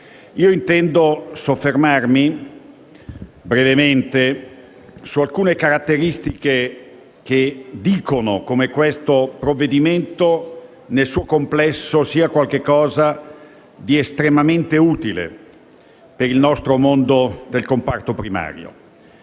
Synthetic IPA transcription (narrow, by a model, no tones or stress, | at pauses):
iːoint̪ɛnd̪osofːermarmi | bɾevement̪e | sualkuːnekaɾat̪ːeɾist̪ik̟e | k̟ed̪iːkonokomekwest̪opɾovːed̪iment̪o | nelsuːokomplɛsːosiːakwalk̟ekːɔːza | d̪iest̪ɾemament̪euːt̪ilḛ | peɾilnɔst̪ɾomond̪od̪elkompart̪opɾima̰ːɾjo̰